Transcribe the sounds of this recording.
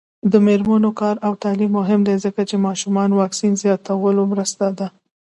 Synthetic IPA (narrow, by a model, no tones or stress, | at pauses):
d̪əmeɾmanokɑɾawt̪ɑlimːʊɦɪmd̪ezəkat͡ʃemɑʃumɑnwɑksinzjɑt̪awəlomɾəst̪ad̪a